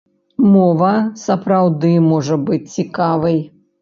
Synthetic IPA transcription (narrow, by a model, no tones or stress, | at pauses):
mɔvɐsɐpɾawd̪ɨmɔʐɐbɨt͡sʲt͡sʲikavɐj